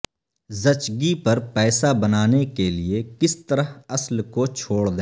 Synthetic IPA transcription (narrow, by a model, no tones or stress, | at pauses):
zɐt͡ʃɡipɐɾpɛːsabɐnaːnekeliekɪst̪əɾəɦɐslkot͡ʃʰoːɽd̪ẽː